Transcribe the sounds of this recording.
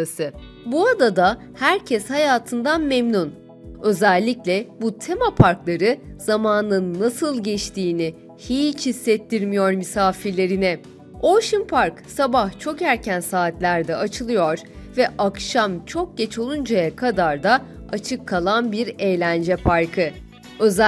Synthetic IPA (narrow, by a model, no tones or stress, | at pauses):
asɯ | buad̪ad̪a | hæɾcʰɛshajaːt̪ʰɯnd̪anmemnun | ø̞zɛlʲːiclʲɛbut̪ʰe̞mapʰaɾklˠaɾɯz̥amaːnɯnːasɯlˠɟɛt͡ʃt̪ʰiːnɪ | hit͡ʃhisːɛt̪ʰːiɾmijoɾmisaːfiɾlʲe̞ɾinɛ | oʃimpʰaɾksabaht͡ʃʰo̞kæɾcʰænsaːt̪lʲæɾd̪ɛʔat͡ʃʰɯlˠɯjo̞ɾ̥vɛʔakʃamt͡ʃʰo̞k̚ɟɛt͡ʃʰo̞lˠund͡ʒajakʰad̪aɾd̪a | at͡ʃʰɯkʰːalˠanbiɾe̞jlʲænd͡ʒɛpʰaɾkʰɯ | ø̞z